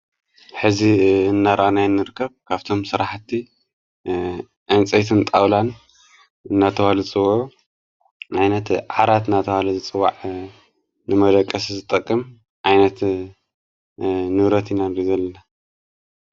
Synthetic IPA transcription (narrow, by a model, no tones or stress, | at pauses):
ħɨziɨnːaɾʔanajnːɨɾɨkʰːɐβkʰaβt̪ʰo̞msɨɾaħt̪ʰːi | ʔɨnt͡sʼɐjt̪ʰɨnt̪ʼawlan | ɨnːat̪ʰɐhalɨɨt͡sʼɨwʕu | ʕajnɐt̪ʕaɾat̪ɨnːat̪ʰɐhalɐzɨt͡sʼɨwːa̰ʕ | nɨmɐd̪ɐkʼːɐszɨt̪ʼɐkʼːɨm | ʕajnɐt̪ | nɨβɾɐt̪ʰinanɾizɐlːɐna